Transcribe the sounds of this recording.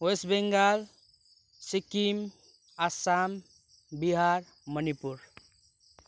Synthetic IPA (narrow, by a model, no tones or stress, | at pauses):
osbeŋɡal | sikim | asam | biɦaɾ | mənipuɾ